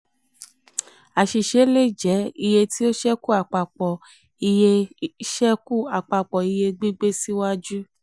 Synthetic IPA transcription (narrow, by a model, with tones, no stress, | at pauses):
a˨ʃi˨ʃe˨˦le˦˨d͡ʒɛ˨˦i˧je˧ti˦o˦ʃɛ˦ku˦˨a˨k͡pa˨k͡pɔ˨ | i˧je˧ʃɛ˦ku˦˨a˨k͡pa˧k͡pɔ˨i˧je˧ɡ͡bi˦ɡ͡be˦si˦wa˦d͡ʒu˦